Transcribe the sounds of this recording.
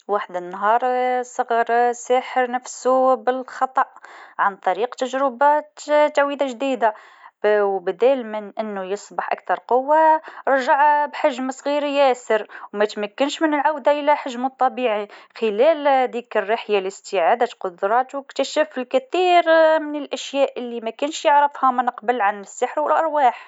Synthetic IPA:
waħd̪ənːɦɑɾˤsˤɑɣɑɾˤsæħəɾnəfsubəlxɑt̪ˤɑʔʕant̪ˤɑɾiqt̪əʒɾəbæt̪t̪awid̪aʒd̪id̪a | wbəd̪ælmənʔənːujəsˤbɑħʔa̰k̚t̪ɑɾˤqʊwːaɾˤʒaʕbħaʒmsˤɣiɾjæsəɾwmæt̪mækːənʃmənəlʕawd̪aʔəlæħaʒmət̪ˤːɑbiʕixəlæld̪iːkərːiħjaləst̪iʕad̪aqʊd̪ɾˤɑt̪wəkt̪æʃəfəlkæθiːɾmənəlʔæʃjæʔəlːimækænʃjəʕɾəfhamənəqbəlʕanəsːəħɾwəlʔɑɾˤwaːħ

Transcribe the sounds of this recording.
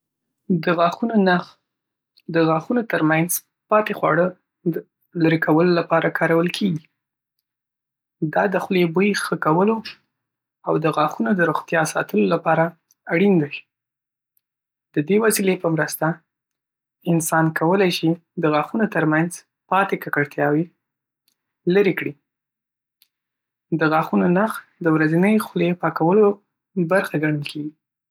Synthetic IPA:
d̪əɣɑxunonaɣ | d̪əɣɑxunot̪əɾmanz | pɑt̪exwɑ̰ɽə | laɾekʰawəlolapɑɾakʰɑɾawəlkʰeɡi | d̪ɑd̪əxlebəjxəkawəlo | awd̪əɣɑxunod̪əɾoɣt̪jɑsɑ̰t̪əlolapɑɾa | aɽind̪a | d̪̥əd̪ewasilepəmɾəst̪a | ɪnsɑnkawəlajʃid̪əɣɑxunot̪əɾmanz | pɑt̪ekakaɽt̪jɑwe | ləɾekɽi | d̪əɣɑxunonaxd̪əwɾazənəjxlepɑkawəlo | baɾxaɡaɳəlkʰeɡi

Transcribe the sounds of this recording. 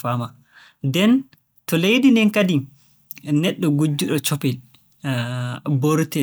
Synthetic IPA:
fama | dɛn | tɔlejdinɛnkadi | nɛɗːɔɡud͡ʒːuɗɔt͡ʃɔpɛ | boɾtɛ

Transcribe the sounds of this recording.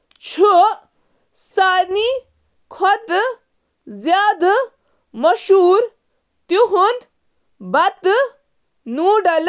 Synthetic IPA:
t͡ʃʰu | saɾni | kʰɔt̪ | zjaːd̪ | mɐʃuːɾ | t̪iɦund̪ | bɐt̪ | nuːɖɐl

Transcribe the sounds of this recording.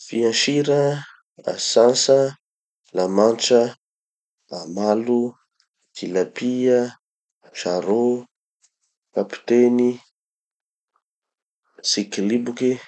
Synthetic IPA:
fiãnʃiɾə | a̰sansə | lamanʈ͡ʂə | amalu | kilapia | ʃaɾo | kapi̥t̪eni | sikilibuke

